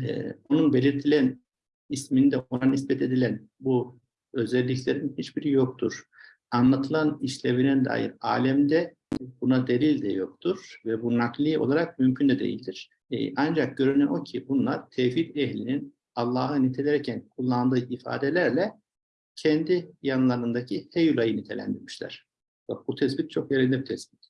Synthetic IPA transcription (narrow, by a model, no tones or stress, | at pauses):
ɛ̰o̞nunbe̞lʲiɾt̪ʰilʲæn | ismind̪ɛo̞nanisbɛt̪ʰe̞d̪ilʲænbu | ø̞zɛlʲːiclʲeɾinhit͡ʃbiɾijo̞k̚t̪ʰuɾ̥ | anlˠat̪ʰɯlˠaniʃlʲevinɛnd̪a̰ːjḭɾa̰ːlʲɛmd̪ɛ | bunad̪e̞lilʲd̪ɛjokt̪ʰuɾ̥vɛbunaklˠɯo̞̰lˠaɾak̚mymcʰynd̪ɛd̪ḛjḭlʲd̪iɾ̥̰ | ʔand͡ʒak̚ɟø̞ɾynyʔo̞cʰibunlˠaɾt̪ʰɛːfit̪ɛɦlʲinin | ɑlˠːaːɦɯnit̪ʰelʲɛɾɛcʰænkʰulˠːand̪ɯːʔifa̰ːd̪elʲæɾlʲɛ | cʰɛnd̪ijanlˠaɾɯnd̪acʰihejulʲˠajɯnit̪ʰelʲæ̰nd̪iɾmiʃlʲæ̰ɾ̥ | babut̪ʰɛsbit̪̚t͡ʃʰo̞kjeɾind̪ɛbit̪ʰɛsbi̥t̪